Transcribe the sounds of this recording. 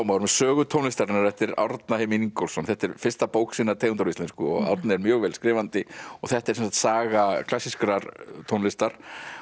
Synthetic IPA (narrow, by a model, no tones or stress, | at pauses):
awmawɾʏmɛðsœːɣʏt̪ʰownɪst̪aɾɪnːaɾɛht̪ɪɾa̰ɾt̪nahejmɪniŋkowlsɔnθɛht̪ɛɾ̥fɪɾ̥st̪apoːwksiːnːaɾt̪ʰejnt̪aɾist̪ɛnskʏɔ̰ɣa̰wɾt̪nɪɛɾmjœːɣvɛːlskɾɪːvant̪ɪɔ̰θɛht̪ɛɾ̥sɛnsḁt̪saːɣakʰl̥asiskɾaɾt̪ʰownlɪst̪aɾ̥